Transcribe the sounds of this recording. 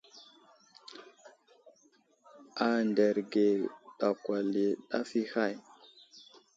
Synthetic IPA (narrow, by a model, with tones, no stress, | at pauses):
a˨nde˨ɾɡe˨ɗa˨kwa˨li˨ɗa˦fi˦ha˦˨j